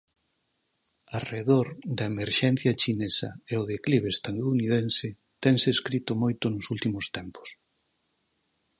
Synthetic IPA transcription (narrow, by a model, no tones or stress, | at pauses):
areðoɾd̪ɐemeɾʃɛn̟θjɐt͡ʃinesɐ̰eʊðekliβ̞eːst̪aðunið̞ensɪ | t̪ɛŋseːskɾit̪ʊmojt̪ʊnʊsult̪imʊst̪ɛmpʊ̥s